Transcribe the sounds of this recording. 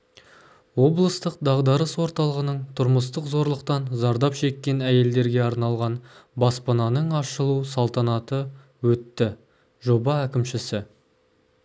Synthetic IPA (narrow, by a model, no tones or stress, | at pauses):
wo̞blˠəst̪əq̚d̪ɑʁd̪ɑɾəswo̞ɾt̪ɑlˠəʁənəɴt̪ʰʊɾməst̪əqzo̞ɾlˠəqt̪ɑnzɑɾd̪ɑpʃe̞kʲːe̞næje̞ld̪e̞ɾɡʲe̞ɑɾnɑlˠʁɑnbɑspɑnɑnəɴɑʃəlˠusɑlˠt̪ɑnɑt̪ə | wɵt̪ːɪ | ʒo̞bɑækʲɪmʃɪsɪ